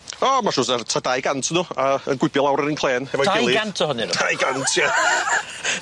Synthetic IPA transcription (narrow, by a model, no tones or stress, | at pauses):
ɔmaʃʊːsartʰadajɡantʰnuːaənɡwɪbjɔlˠawɾəninkʰlˠeːnɛvɔɡɪlˠiɡantʰɔhɔniɾajɡantʰja